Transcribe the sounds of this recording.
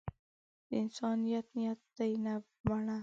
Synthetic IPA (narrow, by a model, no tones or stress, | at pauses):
d̪̥əɪnsɑnijat̪nijat̪ːajna | baɳa